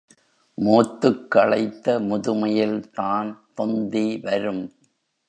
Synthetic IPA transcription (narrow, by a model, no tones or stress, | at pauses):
moːt̪ːɯkːɐɭɐɪt̪ːɐmʊðɯmɐjɪlt̪aːnt̪ɔnd̪iʋɐɾɯm